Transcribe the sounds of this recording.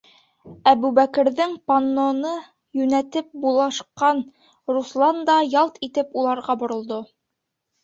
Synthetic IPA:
æbʉbækɘ̆ɾðɘŋpanːonɤ | jʉnæt̪ɘp̚bulˠɑʃqɑn | ruslˠɑnd̪ɑjɑlˠt̪it̪ɘpulˠɑɾʁɑbŏɾŏlˠd̪o

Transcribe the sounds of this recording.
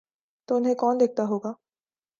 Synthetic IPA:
t̪oːʊnɦẽkɔːnd̪eːk̚t̪aɦoːɡaː

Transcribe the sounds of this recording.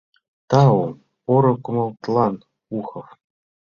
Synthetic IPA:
t̪ɑom | oɾŏkumɤlˠt̪lˠɑn | uxɤ̆f

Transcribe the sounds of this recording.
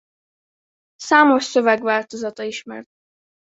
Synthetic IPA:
saːmoʃsøvɛɡʋaːlt̪ozɒt̪ɒiʃmɛ̰rt̪̚

